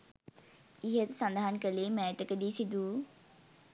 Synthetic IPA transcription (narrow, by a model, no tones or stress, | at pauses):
iɦət̪sand̪aɦankəleːmɛːət̪əkəd̪iːsid̪uː